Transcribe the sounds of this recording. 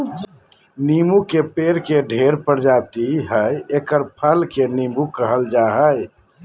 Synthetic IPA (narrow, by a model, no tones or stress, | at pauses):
nimukepeɾkeɖʱeɾpəɾd͡ʒabt̪iɦəjekəɾpʰəlkenimukəɦəld͡ʒaɦəj